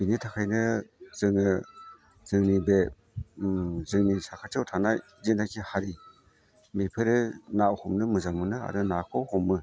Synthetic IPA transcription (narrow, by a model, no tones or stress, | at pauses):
binitʰakʰajnɯzɯŋɯ | z̥ɯŋnibe | zɯŋnisakʰat͡ʃʰɯwtʰanaj | zinajkʰihaɾi | mipʰɯɾɯnawhɔmnɯmɯzamɯnɯa̰ɾɯnakʰɔhɔmːɯ